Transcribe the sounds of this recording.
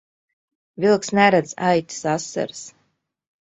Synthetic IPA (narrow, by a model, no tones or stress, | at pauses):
vilˠksnæɾad̪zajt̪ʲi̥sasːa̰ɾs